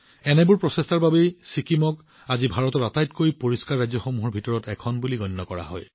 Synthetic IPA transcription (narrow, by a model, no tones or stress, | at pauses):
ɛnɛbuɹpɹɔsestaɹbabesikimɔk | azibʱaɹɔtɔtatajtkojpoɹiskaɹːajzjɔxomuɦɔɹbʱitɔɹɔtɛkʰɔnbuliɡɔnːɔkɔɹa̰ɦɔ̰j